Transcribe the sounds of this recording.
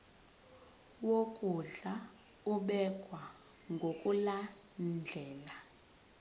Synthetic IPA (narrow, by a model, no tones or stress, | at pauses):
wokʼuɮa | uɓɛkʼwa | ŋɡʱokʼula | nd͡ɮʱɛːla